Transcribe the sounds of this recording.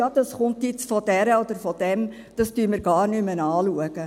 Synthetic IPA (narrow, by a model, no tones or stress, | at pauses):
jɑːd̥ɑsχʊntjɪt͡sfɔd̥æɾəodəɾfɔd̥ɛm | d̥ɑstyːmɪɾɡɑːrnʏmənɑːluəɡ̥ə